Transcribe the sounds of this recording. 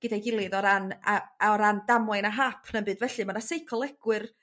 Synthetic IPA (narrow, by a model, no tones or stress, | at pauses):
ɡ̥ɪdajɡɪlˠɨðɔɾanaaɔɾandamajnaɦaːpʰnəmbɨdvɛɬɨmanasejkʰɔlˠɛɡ̥wɨr